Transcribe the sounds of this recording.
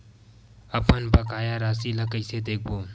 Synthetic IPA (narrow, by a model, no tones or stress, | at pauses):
əpənbəkaːjaɾaːsiləkəised̪eːk̚ʰboː